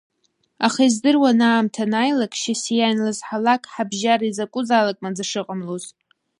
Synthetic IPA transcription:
aχaizdɨrwanaːmtʰanajlakʼʃasijanlazħalakʰʼħabʒaɾaizakʷʼʊzalakʼmad͡zaʂɨqʼəmloz

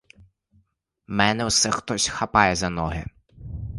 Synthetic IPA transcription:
mɛnɛwsɛxt̪ɔsʲxɐpɑjɛzɐnɔɦɪ

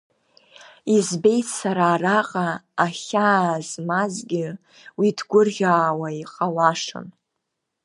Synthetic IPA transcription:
izbe̞jtʰsaɾaːraqʼaːχʲaːzmazɡʲɪ | widʰɡʷʊrʁʲaːwaiqʼalaʂɨ̰n

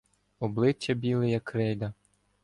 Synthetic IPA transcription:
ɔblˠɪt͡ʃːɐbʲilˠɪjɐkɾɛjd̪ɐ

